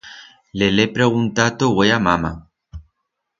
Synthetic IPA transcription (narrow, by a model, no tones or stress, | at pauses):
lelepɾeɣunt̪at̪oɣweamama